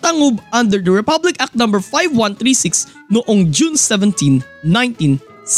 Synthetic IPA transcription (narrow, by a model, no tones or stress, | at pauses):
t̪ɐŋobʔɐ̃nd̪ɛɹd̪ɐɹɛpɐblɪkʔak̚t̪nɐ̃mbɛɹfajvwɐ̃nt̪ɾiːsɪks | nʊʔoŋd͡ʒunsɛvɛ̃nt̪ĩnː | ãj̃nt̪ĩn | s